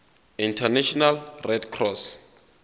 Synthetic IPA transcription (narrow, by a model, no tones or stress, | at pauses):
intʰanɛʃɔnalrɛdkʰrɔs